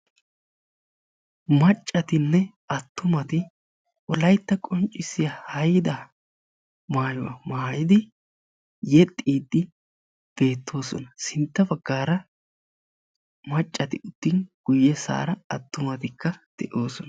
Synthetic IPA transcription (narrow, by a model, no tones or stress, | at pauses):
mɐt͡ʃʼːɐt̪ɪnːɛ | ɐt̪ːʊmɐt̪ɪ | ʔɔlɐjt̪ːɐkʼɔnt͡ʃʼːɪsɪjɐhɐjɪd̪ɐ | maːjɔwɐ̰maːjɪd̪ɪ | jɛt̪ʼːiːd̪ːɪ | b̥e̞ːt̪ʰːo̞ːsɔ̰nɐsɪnt̪ːɐbɐɡːaːɾɐ | mɐt͡ʃʼːɐt̪ɪʊd̪̥ːɪnɡ̥ʊjːɛsa̰ːɾɐɐt̪ːʊmɐt̪ɪkːɐd̪̥ɛʔo̞ːsɔnɐ